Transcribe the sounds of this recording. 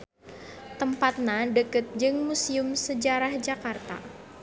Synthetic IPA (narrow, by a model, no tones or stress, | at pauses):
t̪əmpat̪̚nadəkət̪̚d͡ʒɨŋmusiʊmsəd͡ʒaɾahd͡ʒakart̪a̰